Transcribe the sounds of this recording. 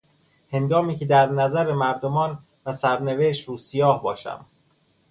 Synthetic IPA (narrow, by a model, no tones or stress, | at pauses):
he̞nɡɒːmiːcʰe̞d̪æɾnæzæɾemæɾd̪omɒːn | væsæɾneveːʃt̪ɾuːsijɒːhbɒːʃæ̰m